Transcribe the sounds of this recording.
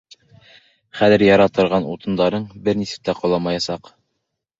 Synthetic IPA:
χæðɘ̆ɾjɑɾɑt̪ɤ̆ɾʁɑnṵt̪ɤ̆nd̪ɑɾɤɴbɘɾnisɘ̥p̚t̪æqŏlˠɑmɑjɑsɑq

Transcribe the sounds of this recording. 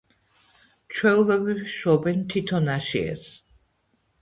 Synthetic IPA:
t͡ʃʰwɛulɔbiʃɔbɛnt̪ʰit̪ʰɔnaʃḭɛ̰ɾs

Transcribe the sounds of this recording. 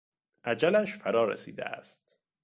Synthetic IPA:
ʔæd͡ʒælæʃfæɾɒːɾḛsḭːd̪ḛæ̰st̪

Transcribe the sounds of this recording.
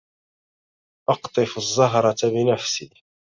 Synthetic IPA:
ʔɑqt̪ˤɨfʊzˤːɑɦɾˤɑt̪abɪnafsiː

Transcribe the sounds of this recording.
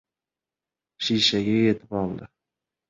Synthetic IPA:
ʃiʃaɡʲaje̞t̪ʰɪpɒlˠd̪ɪ

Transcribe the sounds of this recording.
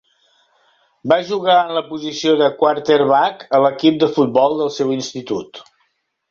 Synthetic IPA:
baʒuɣaənləpuzisioðəkwart̪eɾβakələkip̚d̪əfut̪̚bɔlˠd̪əlˠsɛwinst̪it̪ut̪

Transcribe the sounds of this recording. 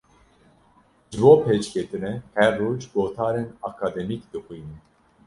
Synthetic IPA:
ʒɨboːpʰeːt͡ʃkʰet̪ɨnɛhɛrːoːd͡ʒɡoːt̪ʰɑːɾenɑkʰɑːd̪ɛmikd̪ɨxʷiːni

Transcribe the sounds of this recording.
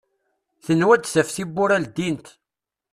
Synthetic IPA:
θənːwæd̪θæfθibːʊɾæld̪int̪

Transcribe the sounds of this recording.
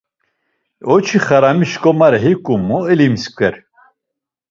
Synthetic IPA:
ɔt͡ʃʰiχaɾamiʃkʼɔmaɾɛɦikʼumɔɛlimskʷɛɾ

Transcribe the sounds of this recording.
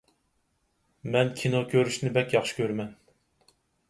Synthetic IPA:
mɛnkʲʰinokʲʰøɾyʃnɪbɛkʲjɑχʃi̥kʲʰøɾmɛn

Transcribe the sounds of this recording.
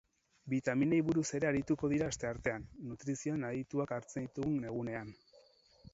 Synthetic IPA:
bit̪aminejβuɾuse̞ɾe̞aɾit̪uko̞ðiɾaːst̪e̞aɾt̪e̞anːut̪ɾisioanait̪uakaɾt͡send̪it̪uɣune̞ɣ̞une̞an

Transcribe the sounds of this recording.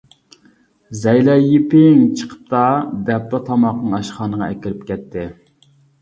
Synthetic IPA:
zɛjlɛjipɪŋt͡ʃʰə̥qʰə̥p̚t̪ɑd̪ɛp̚t̪ɑt̪ʰɑmɑqnɨŋɑʃχɑːnəʁɑɛkʲiɾɪp̚kʲɛt̪ʰːɪ

